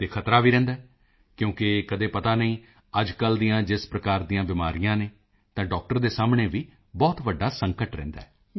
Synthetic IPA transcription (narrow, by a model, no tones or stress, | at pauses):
t̪eːkʰət̪ɾaːʋiːɾɛ̃ːnd̪aː | kjõːkɪkəd̪eːpət̪aːnəĩː | əd͡ʒkəld̪ijãːd͡ʒɪspɾəkaːɾd̪iːãːbɪmaːɾijãːneː | t̪ãːɖɔːk̚ʈəɾd̪eːsaːmɳeːʋiː | bɔːt̪ʋəɖːaːsəŋkəʈɾɛ̰̃ːnd̪a̰ːɛː